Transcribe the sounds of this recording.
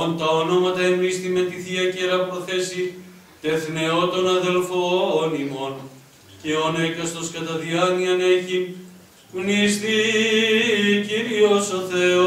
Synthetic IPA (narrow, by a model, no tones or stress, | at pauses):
ont̪ɐono̞mɐt̪ɐemɾist̪ime̞t̪iθiɐceɾɐpɾo̞θe̞si | t̪e̞θne̞o̞t̪o̞nɐðe̞lfoːnimo̞n | ceonekɐst̪oskɐt̪ɐðiɐniɐne̞çi | knist̪i | ciɾiosoθe̞o